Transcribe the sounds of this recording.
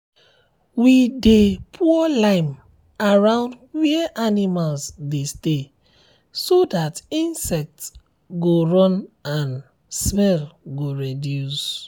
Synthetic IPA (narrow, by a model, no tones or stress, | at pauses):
widepʰuɔlãɪm | aɹãʊ̃nd | wɛɛʔanimalsdeste | sodatĩnsɛk̚t | ɡoɹɔ̃nãn | smɛlɡoɹedjus